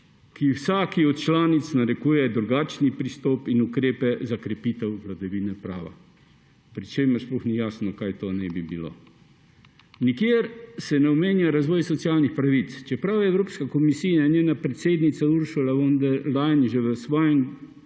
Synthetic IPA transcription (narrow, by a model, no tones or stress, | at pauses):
kʰiwsaːkiɔt̪̚t͡ʃlaːnit̪snaɾɛkuːjɛd̪ɾuɡaːt͡ʃnipɾist̪ɔːpinukɾeːpɛzakɾɛpiːt̪ɛwʋlad̪ɐʋiːnɛpɾa̰ːʋa̰ | pɾit͡ʃeːmɛɾsplɔxnijaːsnɔkaːjt̪oːnɛbibilo̰ː | nikjeːɾsɛnɛɔmeːnjaɾazʋɔːjsɔt̪sjaːlnixpɾaʋit̪st͡ʃɛpɾawɛwɾoːpskakɔmisijainʲjeːnapɾɛt̪seːd̪nit̪sauɾʃulaʋɔnd̪ɛɾlajnʒɛʋəsʋɔːjɛm